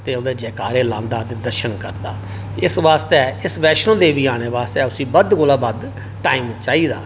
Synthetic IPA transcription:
t̪eːod̪eːd͡ʒɛːkaːɾeːlãːnd̪aːt̪eːd̪əɾʃənkəɾd̪a̰ː | ɪsʋaːst̪eɪsʋɛːʃənd̪eːʋiːaːɽ̃eːʋaːst̪ɛːʊsĩːbəd̪koːlaːbad̪ | ʈaːiːmt͡ʃaːiːd̪a̰ː

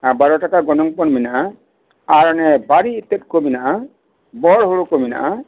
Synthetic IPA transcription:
abaɾɔʈakaɡɔnɔŋpɔnminaʔa | aɾɔnɛbaɾiːt̪ːet̪̚kominaʔa | bɔɽɦoɽukomina̰ʔa

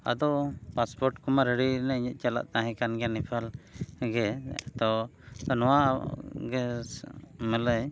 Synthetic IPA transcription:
a̰d̪ɔpaspɔɾʈkumaɾɛɽinaɲət̪̚t͡ʃala̰ʔt̪aɦɛ̃kanɡɛnipʰalɡɛ̰t̪ɔnɔwaɡɛ | mələj

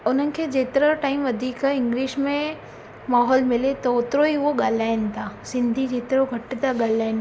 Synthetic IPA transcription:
ʊn̤ənɪ̆kʰeːd͡ʑeːt̪ɪɾəʈaːɪmʋɐd̪ʱiːkaɪ̃ŋɡliːʃmẽ | maːɦɔːlmɪlet̪ɐʊt̪ɾoiʊɦoɠaːlaːɪn̆t̪ʰasɪ̃nd̪ʱid͡ʑeːt̪ɪɾoɡʱɐʈt̪aɠaːl̤aːɪn

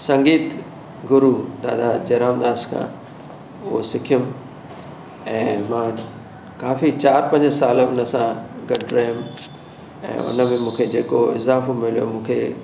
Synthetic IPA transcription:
sɐ̃ŋɡiːt̪ | ɡʊɾud̪a̰ːd̪ad͡ʑɐːɾaːmd̪aːskʰã̰ | ʊɦosɪkʰijʊm | ɛ̃ːmãː | kaːfit͡ɕaːɾpɐ̃ɲd͡ʑəsaːlʊnəsãɡɐɖɾɐɦjʊm | ɛ̰̃ːʊ̰nə̆mẽmũːkʰed͡ʑeːkoɪ̰zaːfomɪlijo̰mũːkʰḛ

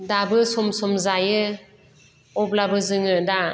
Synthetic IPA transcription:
dabɯsɔmsɔmzajɯ | ɔb̚labɯzɯŋɯda

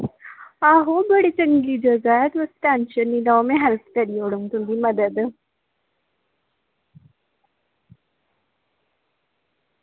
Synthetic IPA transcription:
aːɦobəɽit͡ʃə̃ŋɡid͡ʒɐɡaɛt̪ʋəsʈãːnʃənːilaomẽɦɛlpʰkɐɾioːɽuŋt̪und̪imɐd̪əd̪

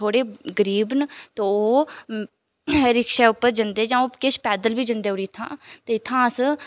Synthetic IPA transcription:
oːɽeːɡəɾiːbnt̪ooː | ɾɪkʃɛːʊpːəɾd͡ʒənd̪eːd͡ʒãːoːkeːʃpɛːd̪əlbiːd͡ʒənd̪eːoːɽiːɪt̪ʰãːt̪eːɪt̪ʰːãːəs

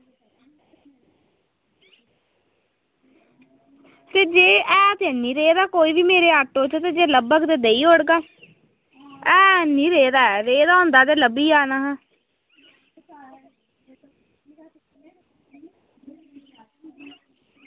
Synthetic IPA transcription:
t̪eːd͡ʒeːɛːt̪eːnĩːɾeːd̪aːkoːiːʋiːmeːɾeːaːʈːõːt͡ʃt̪eːd͡ʒeːləbəkd̪eːd̪eːiːoːɽɡaː | ɛːnĩːɾeːd̪aːɛɾeːd̪aːõːnd̪aːt̪̬eːləbiːaːnaːɦãː

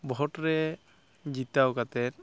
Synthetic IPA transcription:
bʱɔtɾɛ | d͡ʒit̪awkat̪ɛt

